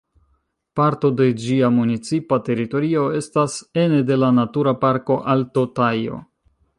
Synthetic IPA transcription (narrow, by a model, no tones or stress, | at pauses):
paɾto̞de̞d͡ʒiamunit͡sipate̞ɾito̞ɾio̞e̞stase̞ne̞de̞lanatuɾapaɾko̞ʔaltotajo̞̰